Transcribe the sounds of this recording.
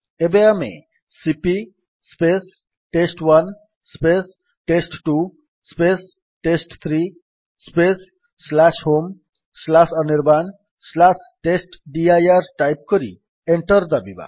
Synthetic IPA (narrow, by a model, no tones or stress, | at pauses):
ebeamḛ | sipi | spes | ʈesʈwan | spes | ʈesʈʈu | spes | ʈesʈt̪ʰɾi | spesː | lasɦom | slasʌniɾban | slasʈesʈɖiajaɾʈajp̚kɔɾḭ | eɳʈʌɾd̪abiba̰